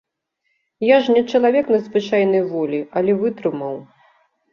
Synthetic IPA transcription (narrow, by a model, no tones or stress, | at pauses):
jaʐnʲɛt͡ʂɐlˠavʲɛknɐzvɨt͡ʂajnɐjvɔlʲiɐlʲɛvɨt̪ɾɨmɐw